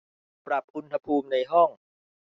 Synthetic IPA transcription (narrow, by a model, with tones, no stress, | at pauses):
pɾa˨˩p̚ʔu˧nha˧pʰuː˧mna˧jɦɔ˥˩ŋ